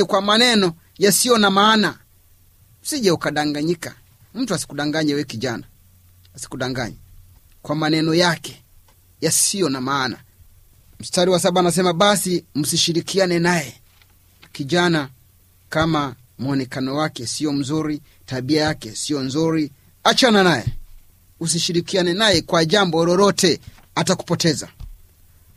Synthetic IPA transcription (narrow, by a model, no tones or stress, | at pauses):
kwamanɛnɔ | jasijɔnamaːna | usiʄaukaɗaŋɡaɲika̰ | m̩tuasi̥kuɗaŋɡaɲɛwɛkiʄana | asi̥kuɗaŋɡa̰ɲɛ | kwamanɛnɔjakɛ | jasijɔnamaːna̰ | m̩staɾiwasaɓaːnas̬ɛmaɓasim̩siʃiɾikianɛnajɛ | kiʄana | kama | m̩ɔnɛkanɔwakɛsijɔm̩zuɾi | taɓiajakɛsijɔnzuɾi | at͡ʃananajɛ | us̬iʃiɾikianɛnajɛkwaʄambɔɾɔɾɔtɛ | ataku̥pɔtɛza̰